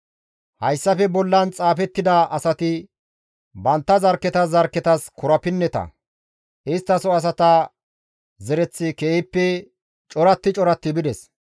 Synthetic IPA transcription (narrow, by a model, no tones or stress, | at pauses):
hɐjsːɐfɛbɔlːɐnt͡sʼaːfɛt̪ːɪd̪ɐʔɐsɐt̪ɪ | bɐnt̪ːɐzɐɾkːɛt̪ɐzɐɾkːɛt̪ɐskʊɾɐpɪnːɛt̪ɐ̰ | ɪst̪ːɐsɔɐs̬ɐt̪ɐ | zɛɾɛt͡sːɪkɛpːɛ | t͡ʃʼɔɾɐt̪ːɪt͡ʃʼɔɾɐt̪ːɪbɪd̪ɛs